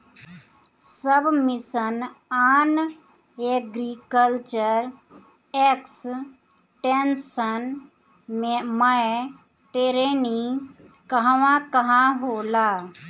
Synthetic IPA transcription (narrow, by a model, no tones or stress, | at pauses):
səbmɪsənaːn | eɡɾikəlt͡ʃəɾ | eks | ʈensən | meməe | ʈeɾeni | kəɦʋãkəɦãɦoːlaː